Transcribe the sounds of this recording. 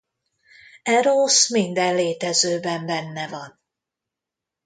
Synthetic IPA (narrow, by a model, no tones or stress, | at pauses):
ɛɾoːsmind̪ɛlleːt̪ɛzøːbɛmbɛnːɛvɒn